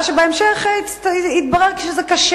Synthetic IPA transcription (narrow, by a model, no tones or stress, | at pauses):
ʃebaemʃeχ | it̪̚baʁeʁkʃezɛkaʃ